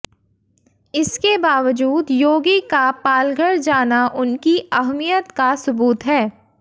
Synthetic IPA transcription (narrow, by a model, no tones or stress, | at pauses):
ɪskebaːʋəd͡ʒuːd̪joːɡikapaːlɡʱəɽd͡ʒaːnaʔʊnkiɐɦmijət̪kasʊbuːt̪ɦɛː